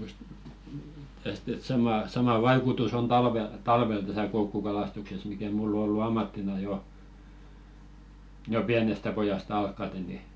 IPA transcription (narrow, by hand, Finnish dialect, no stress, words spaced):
just tæst et sɑmɑˑ sɑmɑ ʋɑikutus on tɑlʋel tɑlʋel tæsæ koukːukɑlɑstukses mikæ mulː o olːu ɑmːɑtːinɑ jo jo piænestæ pojɑst ɑlkːɑte ni